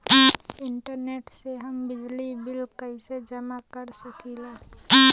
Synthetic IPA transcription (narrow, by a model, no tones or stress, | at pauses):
ɪɳʈəɾneːʈseɦəmbɪd͡ʒlibɪlkəɪsed͡ʒəmakəɾsəkileː